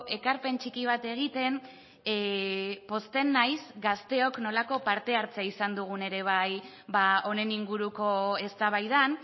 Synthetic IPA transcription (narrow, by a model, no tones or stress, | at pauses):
ʔe̞kaɾpe̞nt͡ʃikiβ̞at̪e̞ɣ̞it̪e̞n | po̞st̪e̞nːajsɡast̪e̞o̞kno̞lako̞paɾt̪e̞aɾt͡seaisand̪uɣ̞une̞ɾe̞β̞aj | βao̞ne̞niŋɡuɾuko̞e̞st̪aβ̞ajð̞an